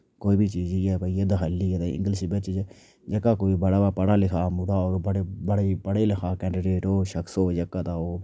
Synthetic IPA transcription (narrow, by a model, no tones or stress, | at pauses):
koːiːbit͡ʃiːd͡ʒiːɛːbəijed̪aɦaliːd̪eɪ̰̃ŋɡəlsbet͡ʃd͡ʒ | d͡ʒəkːaːkoːiːbəɽaːbaːpəɽaːlɪkʰaːmʊɾaːoːɾbəɽbəɽepəɽeːlɪkʰaːkɛ̃ːɳɖɾeːɾoːʃəksoːd͡ʒəkːaːt̪aːoː